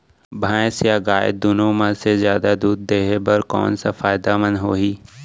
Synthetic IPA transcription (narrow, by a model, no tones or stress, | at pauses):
bʱãːsjaɡaːɪ̰d̪̚d̪ʊnõmãsezjaːd̪ad̪uːd̪̚ːeːɦebəɾkɔ̰ːnsafaːɪd̪amənɦoːɦiː